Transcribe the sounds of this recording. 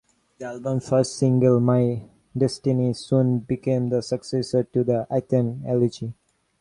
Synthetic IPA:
d̪ialbə̃mfəɾsʈsĩŋɡəlmaɪ | ɖɛsʈinisũːnbikẽmd̪əsəksesəɾʈud̪əʔaɪt̪ə̃nɛləd͡ʒi

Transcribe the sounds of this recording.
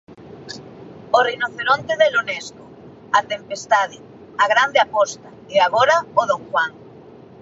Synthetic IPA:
orejnoθeɾont̪eðelonɛsko | at̪empest̪að̞ɪ | aɣɾand̪eapɔst̪a | eaɣoɾaoð̞oŋxwaŋ

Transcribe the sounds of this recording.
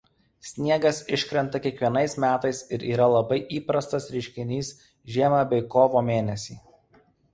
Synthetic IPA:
sʲnʲiɛɡɐsɪʃʲkɾʲɛnt̪ɐkʲiɛkʋʲiɛnɐɪsmʲæːt̪ɐɪsɪɾʔiːɾɐlˠɐbɐɪʔiːpɾɐst̪ɐsɾʲɪʃʲkʲɪnʲiːs | ʒʲiɛmɑbʲɛɪkoːʋoːmʲeːnʲɛsʲiː

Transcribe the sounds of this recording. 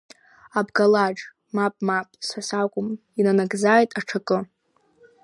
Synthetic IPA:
abɡalaʈ͡ʂʼ | mapʼmapʼsħasakʷʼʊm | inanaɡzaːjtʼaʈ͡ʂʰakʼɨ

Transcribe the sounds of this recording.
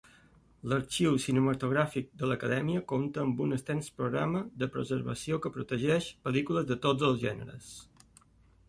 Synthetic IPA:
ləɾt͡ʃiwsinəmət̪uɣɾafik̚d̪ələkəðɛmiəkomt̪əːmbunəst̪ɛnspɾuɣɾa̰məðəpɾə̰zə̰ɾβə̰siokəpɾut̪əʒɛʃpəlikuləzðət̪od͡zəlˠzʒɛnə̰ɾə̰s

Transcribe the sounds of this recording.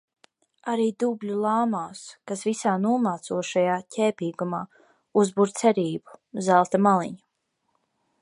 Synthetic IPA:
aɾiːd̪ublʲulˠaːmaːskasvisaːnuɔmaːt̪suɔʃajaːcʲɛːpiːɡumaː | uzbuɾt̪sɛɾiːbu̥zælˠt̪amalˠḭɲu

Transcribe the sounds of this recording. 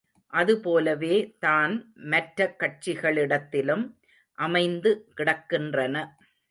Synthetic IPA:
ʔɐðɯpoːlɐʋeːt̪aːnmɐʈɾɐkːɐʈ̚t͡ʃɪɣɐɭɪɽɐt̪ːɪlɯm | ʔɐmɐɪnd̪ɯkɪɽɐkːɪndrɐnɐ

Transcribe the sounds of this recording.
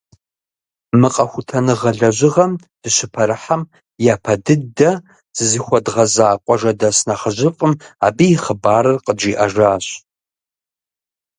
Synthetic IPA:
mɨqʼɐxʷʊtʰɐnɨʁɐɮɐʑʷɪʁɐm | d̥ɨʃɪpʰɐɾɨħam | jaːpʰɐdɨdɐ | z̥ɨzɨxʷɔdʁɐzaːqʷʼɔʒɐdɐsnɐχəʑɪfʼɨma̰ːbijɪχəbaːɾɨrqəd͡ʒiːʔɐʒaːɕ

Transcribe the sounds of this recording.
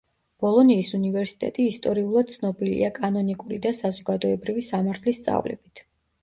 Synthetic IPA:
b̥ɔlˠɔniːsunivɛɾsi̥t̪ʼɛ̰t̪ʼiːst̪ʼɔɾiulˠad̪̥̚t̪sʰnɔbilḭakʼanɔnikʼuɾid̪asazɔɡad̪ɔɛbɾivisamaɾt̪ʰlist̪sʼa̰vlɛ̰bit̪ʰ

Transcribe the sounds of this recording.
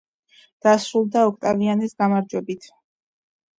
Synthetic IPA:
d̪̥asɾulˠd̪aɔkʰt̪ʼavianisɡamaɾd͡ʒwɛbit̪ʰ

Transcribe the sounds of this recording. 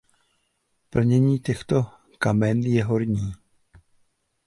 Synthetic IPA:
pl̩ɲɛɲiːcɛxt̪o̞ | kamɛnjɛɦo̞ɾɲiː

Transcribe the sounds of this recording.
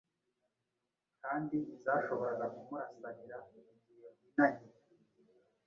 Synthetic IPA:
kaːndizaːʃo̞βo̞ɾaɡakumaasaɾiɾaiɲɟijoinaɲi

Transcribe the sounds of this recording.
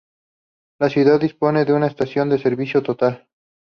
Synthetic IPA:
lasjuðaðːispo̞ne̞ðeunaest̪asjo̞nd̪e̞se̞ɾβisjo̞t̪ot̪al

